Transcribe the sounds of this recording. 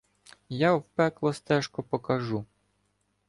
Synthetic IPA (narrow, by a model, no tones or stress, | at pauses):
jawpɛklˠɔst̪ɛʃkɔpɔkɐʒu